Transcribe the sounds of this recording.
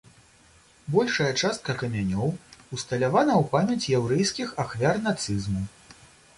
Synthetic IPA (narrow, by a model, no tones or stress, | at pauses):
bɔlʲʂɐjɐt͡ʂast̪̚kɐkɐmʲanʲɔwust̪ɐlʲavanɐwpamʲɐt͡sʲjawɾɛjskʲixaxvʲarnat̪sɨzmu